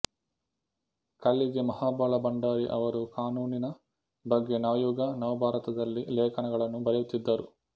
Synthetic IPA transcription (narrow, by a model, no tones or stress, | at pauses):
kɐɭːiɡe̞mɐhaːbaːɭɐbɐɳɖaːɾiʔɐ̰ʋɐɾukaːnuːninɐ | bɐɡːe̞naːjuːɡɐnɐʋɐbʱaːɾɐt̪ɐd̪ɐlːilɛːkʰɐnɐɡɐɭɐnːubɐɾɐjut̪ːid̪ːɐɾu